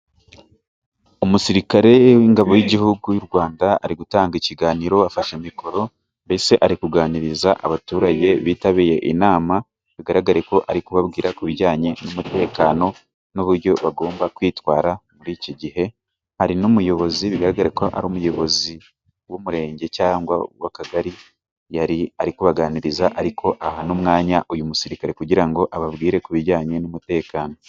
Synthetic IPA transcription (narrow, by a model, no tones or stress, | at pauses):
umusiɾikaɾe̞wiŋɡaβo̞wiɟiɦuɡujuɾɡwaːndaa̰ɾiɡutaːŋɡiciɡaːniɾo̞afaʃemiko̞ɾo̞ | mbe̞se̞ʔaɾikuɡaːniɾizaʔa̰βatuːɾaɟe̞βiːtaβiːje̞ʔḭnaːma | βiɡaɾaɡaɾeko̞ʔaɾikuβabɡiːɾakuβiɾɟaːɲe̞numute̞ːkaːno̞ | noβuɾɟo̞βaɡo̞ːmbakwiːtwaːɾamuɾiːciɟiɦe̞ | haɾinumujo̞βo̞ziβiɡaɾaɡaɾekoʔa̰ɾuːmujo̞βo̞zi | wumuɾe̞ːɲɟe̞caːŋɡwa̰wa̰kaɡaɾi | jaɾiaɾikuβaɡaːniɾizaʔaɾikʰo̞ʔaɦanumŋaːɲaʔujumusiɾikaɾe̞kuɟiɾaŋɡo̞ʔaβabɡiːɾe̞kuβiɾɟaːɲe̞numute̞ːkaːno̞